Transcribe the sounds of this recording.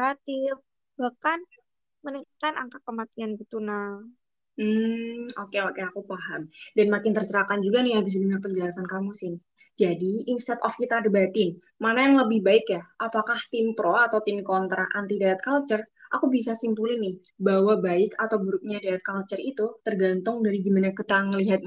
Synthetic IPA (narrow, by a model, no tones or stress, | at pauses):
at̪ɪf | bakan | mənikikana̰ŋkakəmat̪ianɡit̪una | m̩okeokeakupaɦamdanmakɪnt̪ərt͡ʃəɾakand͡ʒuɡanɪhabɪs̬adəŋərpəɲd͡ʒəlasankamusɪn | d͡ʒadiinst̪at̪ɔfkit̪aːdabat̪ɪn | manajaŋləbɪhbaɪkjaʔapakaht̪ɪmpɾɔat̪awt̪ɪmkɔnt̪ɾa̰ʔant̪idaat̪̚kalt͡ʃərʔakubisasimpulɪnɪh | bawabaɪkat̪awbuɾʊk̚ɲadaat̪̚kalt͡ʃərit̪ut̪ərɡant̪ʊŋdaɾiɡimanakət̪aŋəliɦat̪̚